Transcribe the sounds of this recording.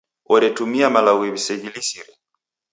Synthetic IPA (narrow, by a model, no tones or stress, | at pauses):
ɔdɛtumiamalawɛβisɛɡilisiɾɛ